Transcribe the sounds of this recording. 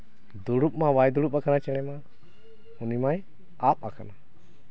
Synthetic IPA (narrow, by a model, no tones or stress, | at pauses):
d̪uɽup̚mawajd̪uɽup̚akanat͡ʃɛɽ̃ɛma | unimaj | ap̚akʰana